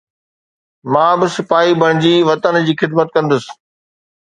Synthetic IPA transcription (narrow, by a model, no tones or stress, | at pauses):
mãːbɪsɪfaːɦibʱɐɽ̃ɪ̃d͡ʑiːʋɐt̪ənd͡ʑiːxɪd̪mət̪̚kɐ̃nd̪əsɪ̥̆